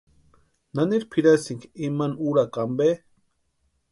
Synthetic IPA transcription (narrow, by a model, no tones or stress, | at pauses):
naniɾpʰiɾasiŋkiimanuɾakambe